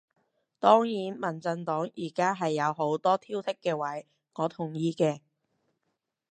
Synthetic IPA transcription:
t̪ɔː˥ŋjiː˨˥nmɐ˨˩nt͡sɐ˧nt̪ɔː˨˥ŋjiː˨˩kaː˥ɦɐ˨jːɐ˨˧wɦo˨˥wt̪ɔː˥t̪ʰiː˥wt̪ʰɪ˥kːɛː˧wɐ˨˥j | ŋɔː˨˧t̪ʰʊ˨˩ŋjiː˧kɛː˧

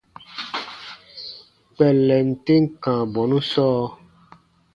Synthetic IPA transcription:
k͡pɛ˨lɛ˨n̩˨te˦ŋ̩˦kã˨bɔ˨nũ˦sɔː˦

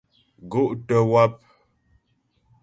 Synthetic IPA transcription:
ɡo˦ʔtə˨wa˦p̚

